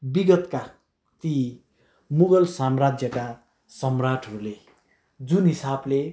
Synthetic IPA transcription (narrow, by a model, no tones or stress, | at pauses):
biɡʌt̪ka | t̪i | muɡʌlsamrad͡zjʌka | sʌmraʈʰʌɾule | d͡zunɦisable